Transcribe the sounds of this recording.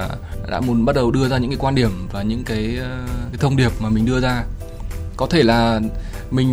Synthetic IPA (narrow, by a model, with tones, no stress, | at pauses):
ɗa̰ː˧˥mu˨˦ənɓa˦˥t̚ɗə˨˩wɗɨ˧əzaː˧ɲɨ̰˧˥ŋkaː˨˦kwa˧nɗi˧˩əmvaː˨˩ɲɨ̰˧˥ŋkaː˨˦jka˨˦jt̪ʰə˧wŋ͡mɗi˨˩əp̚maː˨˩mï˨˩ŋ̟ɗɨ˧əzaː˧ | kɔ˨˦t̪ʰe˧˩laː˨˩ | mï˨˩ŋ̟